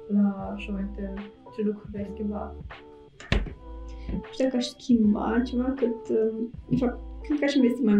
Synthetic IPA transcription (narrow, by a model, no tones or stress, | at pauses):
laːʃamavint̪et̪elelukuveaʃskʲimbat̪ | ḁʃd̪akaʃskʲʰimba̰t͡ʃevakɨt̪ | ʃakend̪kaʃimest̪imaj